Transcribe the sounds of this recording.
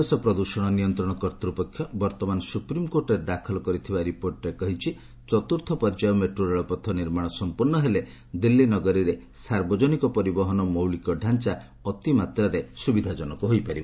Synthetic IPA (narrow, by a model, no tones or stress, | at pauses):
ɔsɔpɾɔd̪usɔɽ̃ɔnijɔnt̪ɾɔɽ̃ɔkɔɾt̪ɾupɔkʰːjɔbɔɾt̪ɔmanɔsupɾimkoɾʈɔɾed̪akʰɔlɔkɔɾit̪ʰibaɾipoɾʈɔɾekɔɦit͡ʃʰi | t͡ʃɔt̪uɾt̪ʰɔpɔɾd͡ʒajɔmeʈɾuɾeɭɔpɔt̪ʰːɔniɾmaɽ̃ɔsɔmpuɾnɔɦele | d̪ilːinɔɡɔɾiɾe | saɾbɔd͡ʒɔnikɔpɔɾibɔɦɔnɔmowlikɔɖʱant͡ʃa | ɔt̪imat̪ɾaɾesubid̪ʱad͡ʒɔnɔkuɦojpaɾibɔ